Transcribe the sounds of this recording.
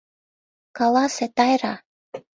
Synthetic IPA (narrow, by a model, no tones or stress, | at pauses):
kɑlɑset̪ɑjɾɑ